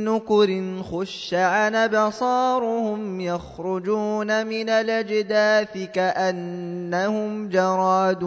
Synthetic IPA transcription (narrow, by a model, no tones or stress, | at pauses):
nʊkʊɾɪnxʊʃːaʕanabɑsˤɑːɾʊhʊmjaxɾʊd͡ʒuːnamɪnalad͡ʒd̪aːθɪkaʔanːahʊmd͡ʒɑɾˤɑːd̪